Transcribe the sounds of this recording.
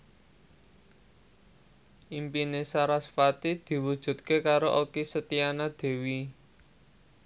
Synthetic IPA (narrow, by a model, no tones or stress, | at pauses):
ʔimpinesaɾasfat̪id̪̥i̤wud̥ʒ̥ṳt̪̚kekaɾoʔokisət̪ianad̪̥e̤wi